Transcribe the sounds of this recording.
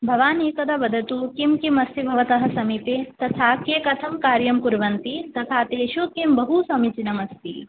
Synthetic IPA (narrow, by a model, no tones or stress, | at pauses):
bʱɐʋaːneːkɐd̪ɐbɐd̪ʱɐt̪ukimkimɐst̪ibʱɐʋɐt̪ɐɦɐ̆sɐmit̪et̪ɐt̪ʰaːkeːkɐt̪ʰɐmkaːɾjɐmkuɾʋɐnt̪it̪ɐt̪ʰaːt̪eːʃukimbɐɦusɐmit͡ʃinɐmɐst̪ḭ